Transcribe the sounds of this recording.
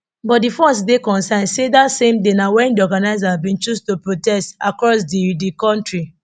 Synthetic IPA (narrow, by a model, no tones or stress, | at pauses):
bɔt̚difɔsdekɔ̃nsãnsedatsẽmdenawɛ̃ndiɔɡanaɪzaabĩnt͡ʃustupɹotɛstakɹɔsdidikɔ̃ntɹi